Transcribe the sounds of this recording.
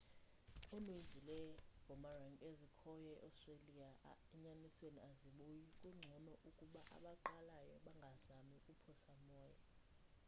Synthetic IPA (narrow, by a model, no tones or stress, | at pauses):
omind͡zʱilɛɡʱɔmaraŋɡezikʰɔjɔɛʔawstʼreliaɛɲanisweniaziɓujikʼuŋ͡ǀʱɔnɔʔukʼuɓaʔa̰ɓaǃalajɔɓaŋɡʱazamikʼupʰɔsamɔːja